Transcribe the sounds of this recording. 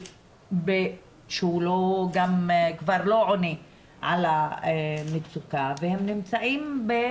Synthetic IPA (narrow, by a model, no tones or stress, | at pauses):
be | ʃeuloɡamkvaʁlo̞ʕoni | ʕala | mit͡sukavehemnimt͡saʔimbe